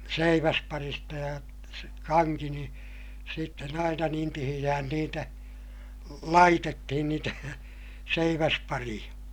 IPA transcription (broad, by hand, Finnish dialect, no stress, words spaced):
seiʋæspɑristɑ jɑ kɑŋki ni sitːen ɑinɑ niːn tihij̆æhæn niːtæ lɑitetːihin niːtæ seiʋæspɑrij̆ɑ